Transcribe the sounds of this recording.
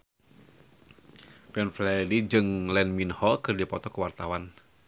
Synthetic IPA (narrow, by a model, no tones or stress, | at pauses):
bɛnflɛdid͡ʒɨŋlɛnminhɔkɨrdipɔt̪ɔkəwart̪awan